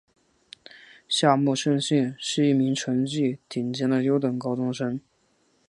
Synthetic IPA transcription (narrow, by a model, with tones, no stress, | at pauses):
ɕja˥˧mu˥˧ʂə˥˧nɕi˥˧nʂɻ̩˥˧i˥˩mi˧˥ŋʈ͡ʂʰə˧˥ŋt͡ɕi˥˩t̪ʰi˨˩nt͡ɕjɛ˧˥nd̪ə˨ljo˧˥ʊt̪ə˨˩ŋkɑ˥ʊt̪ʰʊ˥ŋʂɤ˥ŋ